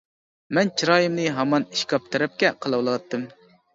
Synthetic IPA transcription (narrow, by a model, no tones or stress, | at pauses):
mɛnt͡ʃʰiɾɑːjimnɨɦɑmɑni̥ʃkʰɑp̚t̪ʰɛɾɛp̚kʲɛqʰəlˠɑwlˠwɑt̪ːɨm